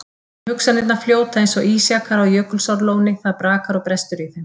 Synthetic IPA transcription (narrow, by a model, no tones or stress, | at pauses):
hʏksanɪt̪nafljoːwt̪aejnsɔʔiːsjakaɾawjœːkʏlsawɾloːwnɪθaðpɾaːkaɾɔɣpɾɛst̪ʏɾiθɪm